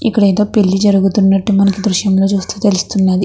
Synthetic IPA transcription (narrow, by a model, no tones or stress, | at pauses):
ḭkːɐɽɐjd̪oːpe̞ɭːid͡ʒɐɾuɡut̪unːɐʈːimɐnɐkid̪ɾuʃjɐmlo̞ːt͡ʃuːst̪u̥ːt̪elust̪unːaːd̪i